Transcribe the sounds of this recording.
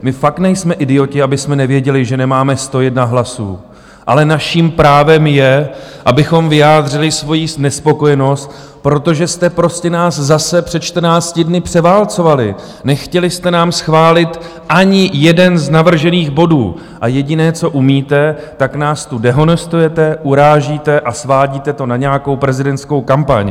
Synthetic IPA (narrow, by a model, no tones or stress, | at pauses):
mɪfak̚t̪nɛjsmɛʔɪdɪjo̞cɪabɪsmɛnɛvjɛɟɛlɪʒɛnɛmaːmɛst̪o̞jɛd̪naɦlasṵː | ʔa̰lɛnaʃiːmpɾaːvɛmjɛʔabɪxo̞mvɪjaːd̪r̝ɪlɪsvo̞jisnɛspo̞ko̞jɛno̞st̪̚ | pɾo̞t̪o̞ʒɛst̪ɛpɾo̞scɛnaːszasɛpr̥ɛt̪t͡ʃt̪r̩naːt͡scɪdnɪpr̥ɛvaːlt͡so̞valɪ̰ | nɛxcɛlɪst̪ɛnaːmsxvaːlɪt̪ | ʔaɲɪjɛdɛnznavr̩ʒɛniːɣbo̞dṵː | ʔajɛɟɪnɛːt͡so̞ʔumiːt̪ɛ | t̪aknaːst̪udɛɦo̞nɛst̪ujɛt̪ɛʔuɾaːʒiːt̪ɛʔasvaːɟiːt̪ɛt̪o̞naɲɛjako̞wpɾɛzɪdɛntt͡ssko̞wkampa̰ɲ